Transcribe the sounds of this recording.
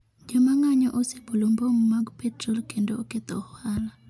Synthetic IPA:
d͡ʒɔmaŋaɲɔʔosebulombommaɡpʰɛtrɔlkendoːket̪ɔhala

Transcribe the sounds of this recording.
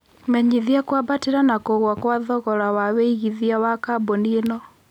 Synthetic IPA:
mɛɲiðiakwabateɾanakoɣwakwaðɔɣɔɾawaweiɣiðiawakabɔnienɔ

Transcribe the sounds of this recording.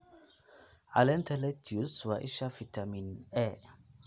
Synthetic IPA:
alɛnt̪ʰɛlɛtʰiuswaʔiʃafitʰaminɛ

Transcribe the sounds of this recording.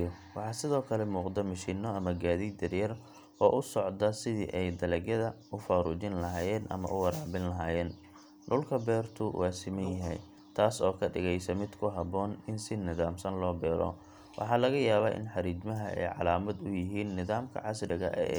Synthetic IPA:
wɑħɑːsɪðɔːkʰɐlɛmuːqd̪ɐmɐʃiːnːɔɐmɐɡaːðiːd̪ɐrjɐr | ɔːʔʊsɔʕd̪ɐsɪðḭʔɛjd̪ɐlɛɣjɐðɐ | ʊfaːɾṵːt͡ʃɪnlɐɦaːjɛːnʔɐ̰mɐ̰ʔʊwɐɾaːʕbɪnlɐɦaːjɛːn | ɖʊlkʰɐbɛːrt̪ʰʊwʔaːsɪmɐnjɪɦɛ̰j | t̪ʰaːsɔːkʰɐɖɪɣɛjsɐmɪd̪kʰʊɦɐbɔːnɪnsɪnɪðaːmsɐnlɔːbɛːɾɔ̰ | wʔɑ̰ħɑːlɐɣɐjaːβaːʔɪ̰nħɑɾiːd͡ʒmɐɦɐɛ̰jʕɑ̰laːmɐd̪ʊjɪɦiːnːɪðaːmkʰɐ̰ʕɑsrɪɣɐ̰ʔɛ̰ɛ̰

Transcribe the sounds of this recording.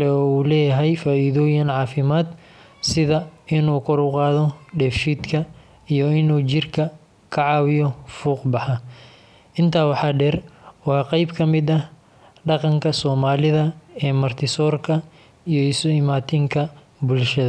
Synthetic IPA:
lɛɔːuːlɛːjɐɦɛjfaːiːðɔːjɐnʕɑːfɪmaːd̪ | sɪðɐɪnuːkʰɔɾʊqɑːðɔɖɛːfʃiːd̪kʰɐ | ijɔɪnuːt͡ʃɪrkʰɐ | kʰɐʕɑːwɪjɔfuːqbɑħɑ | ʔɪnt̪ʰaːwɑħɑːɖɛːrwɑːqɛjbkʰɐmɪd̪ɐ | ɖɑqɑŋkʰɐsɔːmaːlɪðɐɛːmɐrt̪ʰɪsɔːrkʰɐ | ijɔɪsʊɪmaːt̪ʰɪŋkʰɐ | bʊlʃɐðɐ

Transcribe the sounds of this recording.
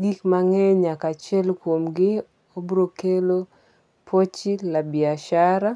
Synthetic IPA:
ɡikmaŋɛɲakat͡ʃɛlkwomɡɪ | obɾokelo | pʰot͡ʃilabɪaʃaɾa

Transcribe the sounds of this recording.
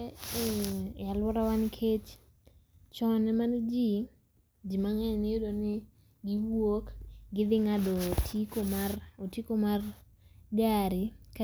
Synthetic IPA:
alwɔɾawankʰet͡ʃ | t͡ʃɔnɛmand͡ʒi | d͡ʒimaŋɛɲnejodonɪ | ɡɪwokɡɪd̪ɪŋadotʰikomarotikomar | d͡ʒaɾɪk

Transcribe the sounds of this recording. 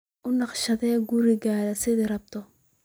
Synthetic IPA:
ʔʊnɑqʃɐðɛːɡuɾɪɣaːðɐsɪðɪɾɐb̚t̪ʰɔ

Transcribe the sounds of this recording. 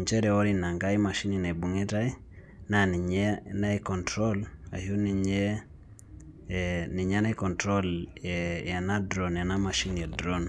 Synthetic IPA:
ɲt͡ʃɛɾɛɔɾinaŋɡaimaʃininabuŋɛtai | naniɲɛnaikɔntɾɔla̰huniɲɛ | niɲanaikɔntɾɔl | janadɾɔnjanamaʃinjadɾɔn

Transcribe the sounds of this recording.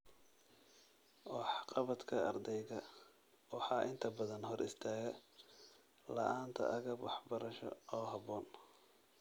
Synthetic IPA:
wɑħqɑβɐd̪kʰɐɐrd̪ɛjɣɐ | wɑħɑːʔɪnt̪ʰɐbɐðɐnɦɔrʔɪst̪ʰaːɣɐ | lɐ̰ʔaːnt̪ʰɐ̰ʔɐɣɐwɑħbɐɾɐʃɔ̰ɔːɦɑβɔːn

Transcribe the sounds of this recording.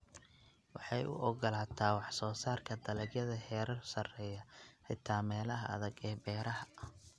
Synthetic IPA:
wɑħɑjʊ̰ʔɔɡɔlaːt̪ʰaːwɑħsɔːsaːrkʰɐd̪ɐlɛɡjɐðɐhɛːɾɐrsɐrɛːjɐhɛjt̪ʰaːmɛːlɐɦɐɐ̰ðɐɡɛːbɛːɾɐɦɐ

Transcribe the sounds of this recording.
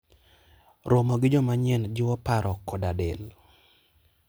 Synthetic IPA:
ɾomoɡɪd͡ʒɔmaɲɛnd͡ʒɪwɔpaɾʔɔkɔdadɪl

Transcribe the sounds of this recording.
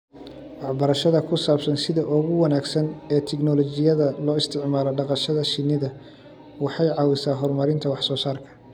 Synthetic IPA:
wɑħbɐɾɐʃɐðɐkʰʊsaːbsɐnsɪðɐʔɔɣʊwɐnaːɡsɐnɛːt̪ʰɛɡnɔlɔt͡ʃɪjɐðɐlɔːɪst̪ʰɪʕmaːlɔɖɑqɑʃɐðɐʃɪnːɪðɐ | wɑħɑjʕɑːwɪsaːɦɔrmɐɾɪnt̪ʰɐwɑħsɔːsaːrkʰɐ̥

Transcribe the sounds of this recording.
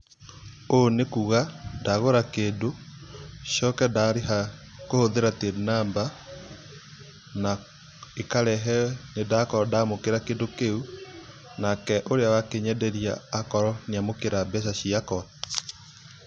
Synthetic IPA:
onekuɣadaɣoɾakeːndo | ɕjɔkɛdaɾeɦa | kohoðeɾatenamba | na | ekaɾɛɦɛnedakɔdamokeɾakeːndokeu | nakɛʔoɾeawakeɲɛdɛɾia̰ːkɔɾɔnjamokeɾabɛsaɕiakɔa

